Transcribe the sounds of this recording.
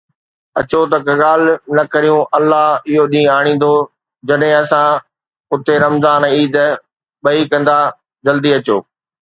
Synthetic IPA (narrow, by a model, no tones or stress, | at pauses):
ɐt͡ɕot̪ɐkɐɠaːl̤nɐkɐɾijũʔɐlːaɦɪɦoɗĩːaːɽ̃ĩːn̆d̪o | d͡ʑɐɗɦɪ̃ɐsã | ʊt̪eɾɐmzaːniːd̪ | ɓɐikɐ̃nd̪a | d͡ʑɐld̪iɐt͡ɕoː